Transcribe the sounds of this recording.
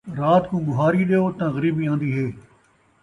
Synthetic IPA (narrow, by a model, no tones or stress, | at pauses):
ɾaːt̪kũːɡʊɦaːɾiːɗeːoːt̪ãːɣəɾiːbiːãːnd̪iːɦeː